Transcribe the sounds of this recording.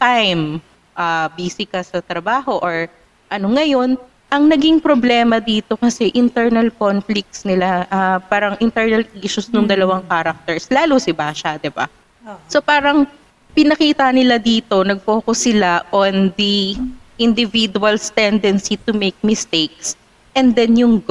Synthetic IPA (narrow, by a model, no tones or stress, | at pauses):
t̪ajm | ʔabiːsɪkɐsɐt̪ɾɐbaːho̞ʔoɹ | ʔɐno̞ŋɐjo̞n | ʔɐŋnɐɡiŋpɾoblɛːmɐd̪iːt̪o̞kɐsɛʔɪnt̪ɛɹnɐlkonflɪk̚t̪snɪlaʔapaːɾɐŋʔɪnt̪ɛɹnɐlʔiːʃʊsnʊŋd̪ɐlɐwaŋkaːɾɐk̚t̪ɛɹslaːlʊsɪbaʃad̪ɪba̰ | so̞paːɾɐŋ | pɪnɐkiːt̪ɐnɪlad̪iːt̪o̞nɐɡ̚poːkosɪlaʔond̪iʔɪnd̪ɪvid̪uwɐlst̪ɛnd̪ɛnsit̪ʊmejk̚mɪst̪ejk̚s | ʔɛnd̪ɛnjʊŋ